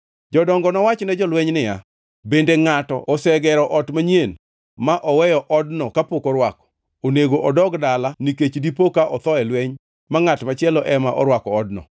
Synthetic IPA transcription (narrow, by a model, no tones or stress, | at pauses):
d͡ʒɔdɔŋɡɔnɔwat͡ʃnɛd͡ʒɔlwɛɲnɪja̰ | bendeŋatɔ̰ɔsɛɡɛɾɔʔɔtmaɲjen | maʔɔwɛjɔʔɔdnɔkapokoɾwakɔ̥ | oneɡoʔɔdɔɡdalaniket͡ʃdipokaʔɔt̪ɔɛlweɲ | maŋatmat͡ʃɪɛlɔʔɛmaʔɔ̰ɾwakɔːdnɔ̰